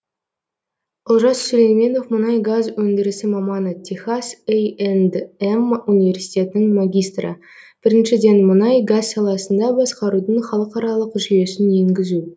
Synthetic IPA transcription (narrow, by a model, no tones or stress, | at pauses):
ʊlˠʒɑst̪sɵɾenme̞no̞fmʊnɑjɡazwɵnd̪ɪɾɪsɪmɑmɑnət̪ʲʰiχɑsejend̪emunivʲe̞rsijt̪ʲe̞t̪ɪnɪŋmaɡʲijst̪rə̰ | b̥ɪɾɪnʃɪd̪e̞nmʊnɑjɡazsɑlˠɑsənd̪ɑbɑsqɑɾud̪əɴχɑlˠəqɑɾɑlˠəqʒije̞sɪnje̞ŋɡʲɪzu